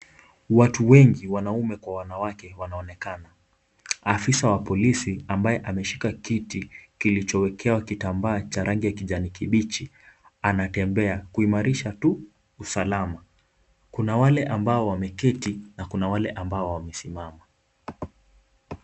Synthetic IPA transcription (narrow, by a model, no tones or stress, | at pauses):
watuwɛŋɡiwanaumɛkwawanawakɛwanaɔnɛkana | afisawapɔlisiambajɛʔamɛʃikakitikilit͡ʃɔwɛkʰɛwakitambaːt͡ʃaɾaŋɡijakiʄanikiɓit͡ʃi | anatɛmbɛakuimaɾiʃatu | usalama | kunawalɛʔambaɔwamɛkɛtinakunawalɛʔambaɔwamɛsimama